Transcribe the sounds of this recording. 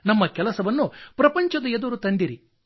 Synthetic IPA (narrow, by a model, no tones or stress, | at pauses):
nɐmːɐkɛlɐsɐʋɐnːupɾɐpɐɲt͡ʃɐd̪ɐed̪uɾut̪ɐnd̪iɾi